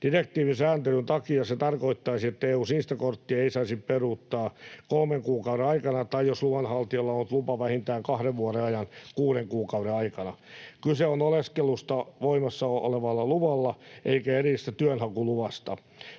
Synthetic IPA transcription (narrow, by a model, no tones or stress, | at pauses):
d̥irek̚t̪iːʋinsæːnt̪elynt̪ɑkiɑset̪ɑrkoit̪ːɑisiet̪ːæeːuːsniːst̪ækort̪ːieisɑisipperuːt̪ːɑːkolmeŋkuːkɑuɾenɑikɑnɑt̪ɑijosluʋɑnhɑlt̪iolːɑonːut̪lupɑʋæhint̪æːŋkɑhɾeʋʋuoɾeɑjɑnkuːɾeŋkuːkɑuɾeɑikɑnɑkyseonoleskelust̪ɑʋoimɑsːɑoo̰leʋɑlːɑluʋɑlːɑʔeikæerist̪æt̪yønhɑkuluʋɑst̪ɑ